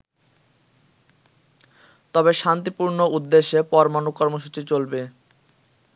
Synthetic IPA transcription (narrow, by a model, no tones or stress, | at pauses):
t̪ɔbeʃant̪ipuɾnoud̪ːeʃːepɔɾmanukːɔɾmoʃut͡ɕit͡ɕolbe